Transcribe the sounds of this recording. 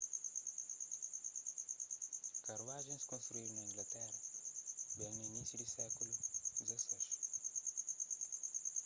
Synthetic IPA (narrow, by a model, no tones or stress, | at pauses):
kaɾwaʒẽskõst̪ɾuiɾnaĩŋɡlat̪ɛɾɐ | bɛ̃ŋinisjud̪isɛkulud̪izesɛʃ